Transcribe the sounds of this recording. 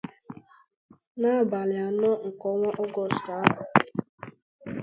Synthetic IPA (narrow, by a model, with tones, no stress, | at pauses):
na˦˨ba˨lɪ˨a˨nɔ˦ŋ̩˨kɔ˦ŋʷa˦ʔɔ˦ɡɔ˦˨sta˨˦ʊ˨